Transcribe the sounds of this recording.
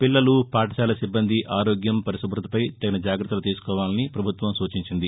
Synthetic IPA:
pilːɐlupaːʈɐsaːlɐsibːɐnd̪ʱiʔaːɾoːɡjɐmpɐɾisɐbɾut̪ɐ̥pɐjt̪ɐɡɐnɐd͡ʒaːɡɾɐt̪ːɐlut̪iːsu̥kɔːʋaːlɐnipɾɐbʱut̪ʋɐmsuːt͡ʃiɲt͡ʃind̪i

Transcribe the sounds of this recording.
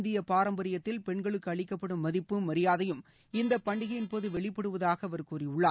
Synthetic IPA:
nd̪ɪjɐpaːɾɐmbɐɾɪjɐt̪ːɪlpɛɳɡɐɭɯkːɯɐɭɪkːɐpːɐɽɯmːɐðɪpːɯmʋɐɾɪjaːðɐjɯm | ɪnd̪ɐpːɐɳɖɪɣɐjɪnpoːðɯʋɛɭɪpːɐɽɯʋɐðaːɣɐʋɐɾkuːriʊɭːaː

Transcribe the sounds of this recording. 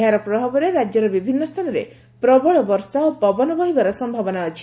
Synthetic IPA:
aɾɔpɾɔbabɔɾeɾad͡ʒɔɾɔbibʱinːɔst̪ʰanɔɾḛ | pɾɔbɔɭɔbɔɾsaopɔbɔnɔbɔɦibaɾɔsɔmbʱabɔnaːt͡ʃʰi̥

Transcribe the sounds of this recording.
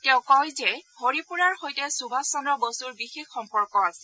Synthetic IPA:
tɛʊ̃kɔjzɛhoɹipuɹaɹxojtɛsubʱasɔnɔbosuɹbixexːɔmpɔɹkɔasɛ̥

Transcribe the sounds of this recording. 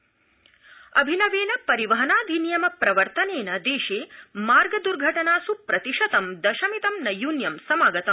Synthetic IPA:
ɐbʱinɐʋeːnɐpɐɾiʋɐɦɐnaːd̪ʱinjɐmɐpɾɐʋɐɾt̪ɐneːnɐd̪eːʃeːmaːɾɡɐd̪uɾɡʱɐʈɐnaːsupɾɐt̪iʂɐt̪ɐmd̪ɐʃɐmit̪ɐmnɐjuːnjɐmsɐmaːɡɐt̪ɐm

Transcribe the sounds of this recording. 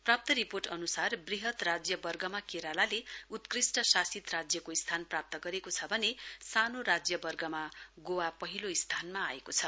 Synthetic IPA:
prap̚t̪ʌɾiporʈʌnusarbriɦʌt̪rad͡zjʌbʌrɡʌmakeɾalaleut̪krisʈʌsasit̪rad͡zjʌkoist̪ʰanprap̚t̪ʌɡʌɾekot͡sʰʌbʱʌnesanoɾad͡zjʌbʌrɡʌmaɡowapʌɦiloist̪ʰanmaːekot͡sʰʌ

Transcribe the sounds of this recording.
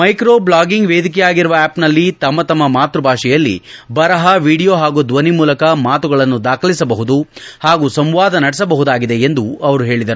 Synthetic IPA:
mɐjkɾoːblaːɡiŋɡʋeːd̪ikɛjaːɡiɾuʋɐɛːpnɐlːit̪ɐmːɐt̪ɐmːɐmaːt̪ɾubʱaːʂɛjɐlːḭbɐɾɐɦɐʋiːɽijoːɦaːɡud̪ʋɐnimuːlɐkɐmaːt̪uɡɐɭɐnːud̪aːkʰɐlisɐbɐɦud̪uhaːɡuːsɐmʋaːd̪ɐnɐɽɛsɐbɐɦud̪aːɡid̪e̞end̪uɐʋɐɾuɦe̞ːɭid̪ɐɾu

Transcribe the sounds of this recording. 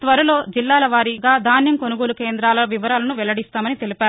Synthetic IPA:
t̪ʋɐɾɐlo̞ːd͡ʒilːaːlɐʋaːɾiɡaːd̪ʱaːnjɐmko̞nuɡoːlukeːnd̪ɾaːlɐʋiʋɐɾaːlɐnuʋɛlːɐɽist̪aːmɐnit̪e̞lipaːɾu

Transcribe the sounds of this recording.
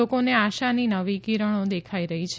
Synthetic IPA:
okoneaʃaninəʋikiɾəɽ̃od̪ekʰaiɾəɦit͡ʃʰ

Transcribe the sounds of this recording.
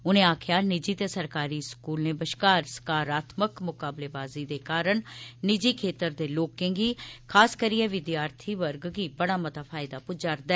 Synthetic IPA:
ʊnẽːaːkʰjaːnɪd͡ʒiːt̪esəɾkaːɾiːskuːlnẽːbəʃkaːɾsə̥kaːɾaːt̪ʰməkmʊkaːbleːbaːziːd̪eːkaːɾəɳnɪd͡ʒiːkʰeːt̪əɾd̪eːloːkːẽːŋɡiːkʰaːskəɾiɛ̃ːʋɪd̪jaːɾt̪ʰiːʋəɾɡɡiːbəɽ̃aːmət̪aːpʰaːɪd̪aːpʊd͡ʒaɾd̪ɛː

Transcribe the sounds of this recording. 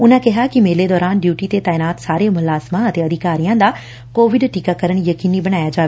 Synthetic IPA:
ʊnə̃̆kɐɦakimeːled̪ɔːɾaːnɖjuːʈit̪et̪aːɪnaːt̪saːɾemʊlaːzmãɐt̪eɐd̪ʱikaːɾijãd̪a | koːʋɪɖʈiːkakɐɾəɽ̃jɐkiːnibɐɽ̃aːjad͡ʑaːʋe

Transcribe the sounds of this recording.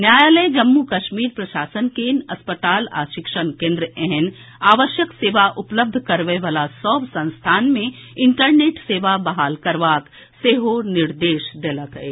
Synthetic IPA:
njaːjaːləd͡ʒɐmːukɐʃmiːɾpɾɐʃaːsənkeːnɐspət̪aːla̰ːʃɪkʃənkẽːnd̪ɾəʔɛɦɛn | aːʋəʃjəkseːʋaʔʊpləb̚d̪ʱkɐɾʋeʋaːlasɔːbsɐ̃nst̪ʰaːnmẽɪɳʈəɾneːʈseːʋabɐɦaːlkɐɾʋaːk | seɦonɪɾd̪eːʃd̪eːlakəe

